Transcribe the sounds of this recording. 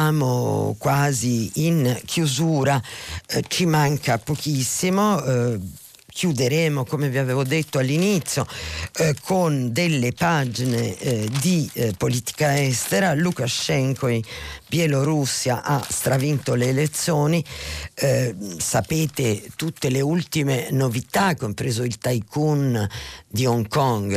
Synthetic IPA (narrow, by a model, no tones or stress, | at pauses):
aːmo̰kwaːziːnkʰjuzuːɾa | t͡ʃimaŋkapokisːimo | kʰjud̪eɾeːmokomeviaveːvod̪et̪ːoalːinit̪sːjo | kʰond̪elːepad͡ʒined̪ipoliːt̪i̥kaɛst̪eɾalukaʃɛŋkoibjɛloɾusːjaʔast̪ɾavint̪oleːlet̪sːjoːni | sapeːt̪et̪ut̪ːeleult̪imenovit̪akːompɾeːzoilt̪ajkund̪iɔŋkɔŋɡ